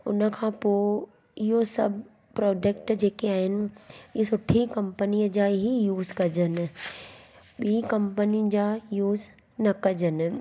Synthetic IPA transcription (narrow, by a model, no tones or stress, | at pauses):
ʊ̰nə̆kʰãːpoː | ɪɦosɐbʱ | pɾɔːd͡ʒək̚ʈd͡ʑeːkeaːɦɪnɪ̆ɪɦosʊʈʰːikɐ̃mpəniəd͡ʑaːɦijuːzkɐd͡ʑənɪ̆ | ɓiːkɐ̃mpənĩd͡ʑajuːz | nɐkɐd͡ʑənɪ̆